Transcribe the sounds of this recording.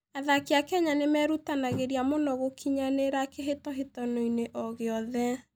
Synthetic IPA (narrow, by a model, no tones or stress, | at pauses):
aðakiakɛɲanemɛɾutanaɣeɾiamonɔɣokʰiɲaneɾakeɦetɔɦetɔnoineʔɔɣeɔðɛ